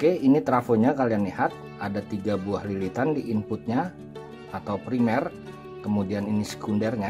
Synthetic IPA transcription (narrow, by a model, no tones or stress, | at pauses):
okeinit̪ɾafoɲakalianlihat̪̚ | ʔadat̪iɡabuahlilit̪andiʔimpʊt̪̚ɲa | at̪awpɾimɛr | kəmudianinisə̥kundɛrɲa